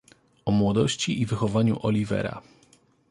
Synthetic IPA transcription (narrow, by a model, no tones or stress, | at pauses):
ɔmwɔd̪ɔɕt͡ɕiʔivɘxɔvaɲṵʔɔlʲivɛ̰ɾa̰